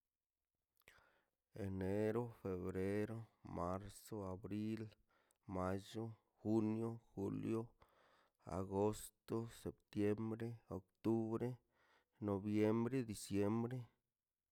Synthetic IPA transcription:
e˨ne˦ɾo˦fe˨βɾe˦ɾo˦ma˦ɾso˦a˨bɾi˦l | ma˦d͡ʒo˦ | xu˦njo˦xu˦ljo˦ | a̰˨ɡo˦st̪o˦se˨p̚t̪je˦mbɾe˦o˨kt̪u˦bɾe˦ | no˨bje˦mbɾe˦d̪i˨sje˦mbɾe˦

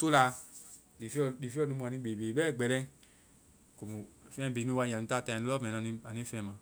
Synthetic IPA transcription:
tu˦la˧ | di˨fdi˨fi˦ɔ˦˨nu˧˦mu˧a˨ĩ˧˦be˨be˨bɛː˦˨ɡ͡bɛ˨ɾɛ˧˦ | ko˨mu˨fɛ̃˦˨be˨nu˦wa˧ja˨ũ˨˧ta˦˨tã˧˨u˦ɔ˦˨ɛ˨na˧˦i˧˦a˨ni˦fɛ̃˧˦mã˧

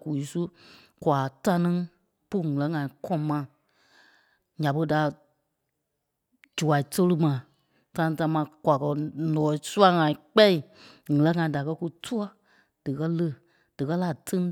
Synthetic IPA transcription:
ku˨i˨˦su˦ | kwa˨ta˧nĩ˦ | pu˦˨ŋɨ̃˨lɛ̃˨˦ŋã˨ĩ˨kʰɔ̃˦mã˧˨ | ɲã˨bə˧˦da˨ | d͡ʒu˨wa˨i˨tə˦lɨ˦mã˨ | ta˧nĩ˧˦ta˧˦mã˧kwa˨kɜ˧nɔ̃ː˨˦su˦a˧˦ŋã˨ĩ˨k͡pɛ˦i˨ŋɨ̃˨lɛ̃˨˦ŋã˧ĩ˨da˨kɜ˧˦ku˧tʰu˦ɔ˦ | d̥ɨ˨kɜ˦lə˦˨ | d̥ɨ˨kɜ˦la˨tɨ̃˦ŋ˦

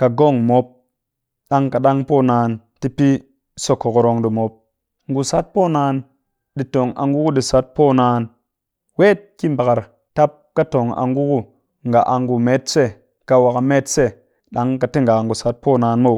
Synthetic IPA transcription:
ka˨ɡo˦˨ŋmo˨˦p̚ | ɗa˦ŋka˨ɗa˦ŋpo˦˨naː˧n | ti˦pi˦ | so˧ko˨ko˧ɾo˧ŋɗi˨mo˨˦p̚ | ŋɡu˨sa˦t̚po˦naː˧n | ɗi˧to˨ŋa̰˨ŋɡu˦ku˦ɗi˨sa˨˦t̚poː˦naː˧n | we˦t̚ki˦mba˨ka˨ɾ | ta˦p̚ka˦to˨ŋa̰˨ŋɡu˦ku˦ | ŋɡa˨ʔa˨ŋɡu˨me˦tse˦˨ | ka˧wa˨ka˨me˦tse˦ | ɗa˦ŋka˨ti˦ŋɡa˨ŋ˨ɡu˨sa˨˦t̚po˦naː˧nmo˦˨

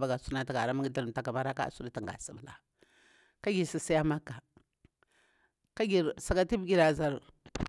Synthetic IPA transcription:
ba˦ɡa˨su˦na˦ta˨ɡa˨ɾa˦ma˦ɡi˦da˨ɾm˨ta˨ka˨ma˦ɾa˦ka̰˦˨su˦da˦ta˨ŋɡa̰˨si˨bla̰˨ | ka˦ɡi˨si˨si˦ja˦ma˦ka˨ | ka˦ɡi˨ɾsa˨ka˦ti˦bɡi˦ɾa˨za˨ɾ

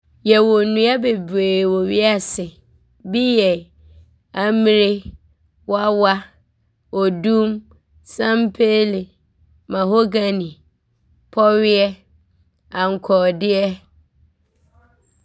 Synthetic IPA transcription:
jɛ˨wɔ˨nũ˨a˦be˨bɾeː˨wɔ˨ɥi˦a˨sɪ˨ | bi˦jɛ˨ | a˨mĩ˦ɾe˦ | wa˦wa˦ | ɔ˨dũ˦m | sã˦m˦pʰe˦lɪ˨ | mã˨ɦo˦ɡa˦nĩ˨ | pʰɔ˦ɥɪ˦ɛ˦ | ã˨ŋ̩˨kʰɔ˨dɪ˦ɛ˦

